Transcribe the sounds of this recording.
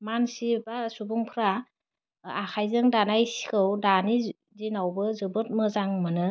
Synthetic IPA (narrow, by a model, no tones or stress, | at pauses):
mansibasubuŋpʰɾa | akʰajzɯŋdanajsi̥kʰɯwdani | zinawbɯzɯbɯt̚mɯzaŋmɯnɯ